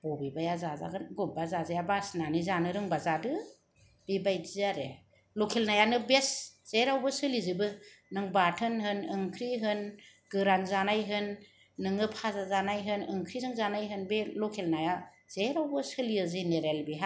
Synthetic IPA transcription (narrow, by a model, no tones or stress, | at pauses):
b̥ɔbibajazaza̰ɡɯnɡubazazajabasnanizanɯɾɯŋbazadɯ | b̥ibajdizaɾe | lokʰelnajanɯbesz̥eɾawbɯsɯlizɯbɯnɯŋbatʰɯnhɯnɯŋkʰɾiɦɯn | ɡ̥ɯɾaŋzanajɦɯnː | ɯŋɯpʰazazanajɦɯnɯŋkʰɾizɯŋzanajɦɯnbelokʰelnaja | z̥eɾawbɯsɯliɯzeneɾelbiɦa